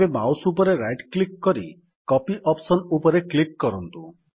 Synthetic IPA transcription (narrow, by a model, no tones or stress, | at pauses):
emawsupɔɾeɾajʈklikːɔɾi | kɔpiʔɔpsɔnupɔɾeklikːɔɾɔnt̪u